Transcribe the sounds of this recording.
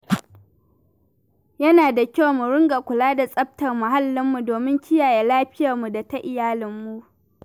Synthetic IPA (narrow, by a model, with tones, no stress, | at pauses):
jɐ˦naː˨da˨kʲa˦˨wmu˨ɾʊ˦ŋɡa˨kʷʊ˨laː˦da˨sʼɐ˦b̚tɐ˨rmʊ˨ɦa˦lːɪ˦mːu˨doː˨mɪ˦ŋkʲɪ˦jaː˨je˨laː˦ɸɪ˦jɐ˨rmu˨da˨ta˦ʔɪ˨jaː˦lɪ˨mːu˦ʔ